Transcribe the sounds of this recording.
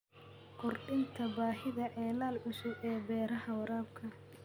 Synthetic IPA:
kʰʊrɗɪnt̪ʰɐbaːhɪðɐʔɛːlaːlʕʊsʊʔɛːbɛːɾɐɦɐwɐɾaːb̚kʰɐ

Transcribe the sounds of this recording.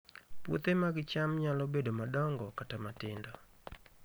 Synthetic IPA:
pwo̰t̪emaɡɪt͡ʃamɲalɔbedomadɔŋɡɔkatamatɪndɔ

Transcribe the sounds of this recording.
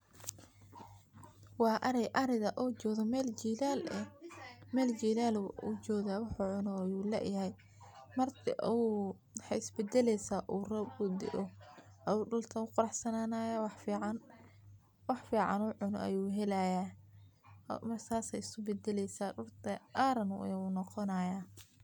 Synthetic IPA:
wɑːʔɐɾɛjʔɐɾɪðɐʔɔːt͡ʃɔːðɔmɛːld͡ʒilalɛmɛːld͡ʒiːlaːlut͡ʃɔːðaːwɑħʊːʕʊnɔɐjuːlɛ̰jɐɦɛj | mɐrt̪ʰɪ̰ʔu | ħɛjɪsbɛd̪ɛlɛjsaːʔuːrɐʊd̪ɪ̰ʔɔ | ʔjuːɖʊlt̪ʰɐʊqʊɾɑħsɐnaːnaːjaːwɑħfiːʕɑn | wɑħfiːʕɑ̰nʊːʕʊnɔ̰ʔɐ̰juːɦɛlɐja̰ː | mɐrt̪ʰaːsɛjɪsʊbɛd̪ɛlɛjsaːrʊrt̪ʰɐʔaːɾɐnʊ̰juːnɔqɔnajaː

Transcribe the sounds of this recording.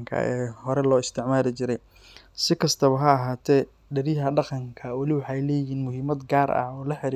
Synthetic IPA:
ŋkʰɐ̰ɛ̰ːhɔɾɛlɔːɪst̪ʰɪʕmaːlɪt͡ʃɪɾɛj | sɪkʰɐst̪ʰɐβɐɦɐːɦaːt̪ʰɛː | ɖɐɾɪɦɐɖɑqɑŋkʰɐwɐlɪwɑħɑjlɛːjiːnmʊɦiːmɐd̪ɡaːɾɐ̰ɔːlɐħɪɾi

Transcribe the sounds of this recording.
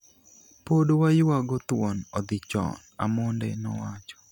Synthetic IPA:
podowajwaɡɔt̪ʊwɔnɔd̪ɪt͡ʃɔ̰na̰mondɛnɔ̰wat͡ʃɔ̥

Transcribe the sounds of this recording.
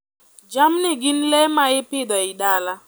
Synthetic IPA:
d͡ʒam̩nɪɡɪn̩lemaɪpɪdɔɪdaːla

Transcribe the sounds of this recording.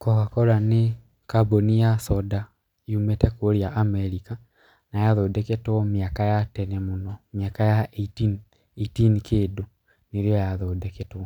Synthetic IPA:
kɔkakɔɾane | kabonijasɔda | jumetɛkoɾjaʔamɛɾika | najaðoːdɛketwɔmiakajatɛnemonɔmjakajaʔetin | eitinikeːdo | neɾiɔjaðodɛketwɔ

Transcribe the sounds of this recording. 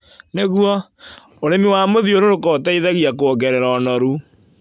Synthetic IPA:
neɣwɔ | oɾemiwamoðioɾoɾokɔtaiðaɣiakoɔɡɛɾɛɾaɔnɔɾu

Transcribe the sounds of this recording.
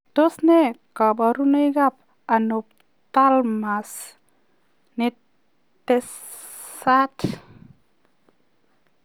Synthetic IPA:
t̪osnekabaɾunəjɡap̚ | anup̚ | t̪almas | ni | t̪es | at

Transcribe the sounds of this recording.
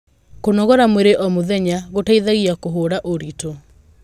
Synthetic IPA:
konɔɣɔɾamweɾeʔɔmoðɛɲaɣotaiðaɣiakoɦoːɾaʔoɾito

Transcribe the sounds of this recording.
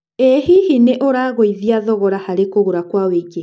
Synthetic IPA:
ehihineʔoɾaɣoiðiaðɔɣɔɾahaɾekoɣoɾakwaweɡe

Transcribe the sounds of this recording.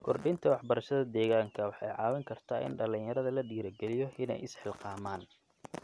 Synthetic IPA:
kʰɔrɖɪnt̪ʰɐwɑħbɐɾɐʃɐðɐd̪ɛːɣaːŋkʰɐwɑħɑjʕɑ̰ːwɐŋkʰɐrt̪ʰaːʔɪ̰nɖɐlɪnjɐɾɐðɐlɐɖiːɾɐɡɛlɪjɔʔɪnɛ̰jɪsħɪlqɑːmaːn

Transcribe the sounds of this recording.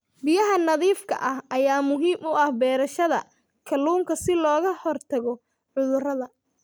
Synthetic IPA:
bɪjɐɦɐnɐðiːfkʰɐ̰ʔɐhʔɐjaːmʊɦiːmʊʔɐhbɛːɾɐʃɐðɐ̰ | kʰɐlːuːŋkʰɐsɪlɔːɣɐhɔrt̪ʰɐɣɔ | ʕʊðʊrɐðɐ

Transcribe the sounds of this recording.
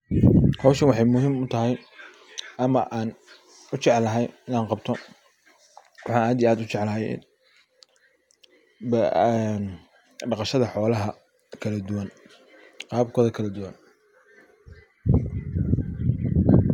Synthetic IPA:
hɔwʃɐwɑħɑjmʊɦiːmʊt̪ʰɐɦɛj | ʔɐmɐʔaːn | ʊt͡ʃɛʕlːɐɦɛjɪnaːŋqɑbt̪ʰɔ | wɑħɑːnaːd̪ijaːd̪ʊt͡ʃɛʕlɐɦɛjɪ̰n | bn | ɖɑqɑʃɐðɐħɔːlɐɦɐ | kʰɐlɐd̪ʊwɐn | qɑːb̚kʰɔːðɐkʰɐlɐd̪ʊwɐn

